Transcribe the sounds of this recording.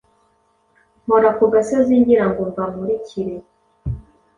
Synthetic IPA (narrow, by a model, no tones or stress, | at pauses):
moɾakuɡasioziːɲɟiɾaŋɡomvamuɾicʰiɾe